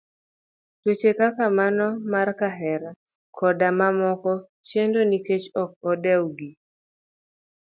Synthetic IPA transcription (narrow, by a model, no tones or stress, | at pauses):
twet͡ʃekakamanɔmarkaɦɛɾa | kʰɔdamamɔkɔ | t͡ʃjendoniket͡ʃɔk̚ɔdɛwɡi